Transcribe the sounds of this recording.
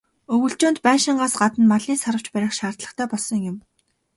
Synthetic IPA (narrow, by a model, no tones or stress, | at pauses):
ɵɣɵ̆ɬt͡ɕoːnt̪pæːʃɪ̆ɴɢaːsɢat̪ə̆nmaɮiːsaɾə̆wt͡ɕpæɾʲɪ̆ːχʃaːr̥t̪ɮə̆χt̪ʰæːpɔɮsɞ̆ŋjʊm